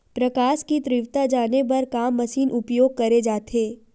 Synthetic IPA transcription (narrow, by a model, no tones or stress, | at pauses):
pɾɐkaːʃkit̪ɾɪʋt̪ad͡ʒaːneb̬ɐɾkaːmːɐsiːnʔʊpjoːɡ̚kɐɾed͡ʒaːt̪ʰeː